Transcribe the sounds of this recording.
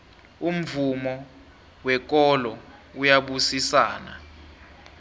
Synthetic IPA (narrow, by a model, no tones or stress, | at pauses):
um̩vumɔ | wɛk̬ʼɔlɔujaɓusisaːna̰